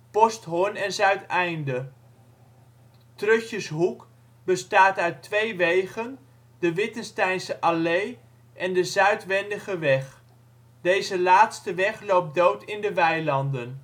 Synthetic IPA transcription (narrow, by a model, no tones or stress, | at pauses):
pɔstɦʊnɛnzœɥtɛjndə | trɵçəsɦuk | bəstaːtœɥtʋejʋejχən | dəʋɪtənstɛjnsəʔalej | ʔɛndəzœɥtʋɛndəχəʋɛχ | d̥ejzəlaːtstəʋɛχlowp̚dowtɪndəʋɛjlɑndən